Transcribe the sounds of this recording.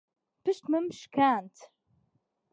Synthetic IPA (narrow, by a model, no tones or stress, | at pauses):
b̥əʃt̪məmʃkant̪